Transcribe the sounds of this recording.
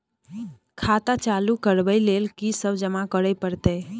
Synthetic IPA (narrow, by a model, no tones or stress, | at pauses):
kʰat̪at͡ʃalukəɾbəjlelkisəbd͡ʒəmakəɾəjpəɾt̪ə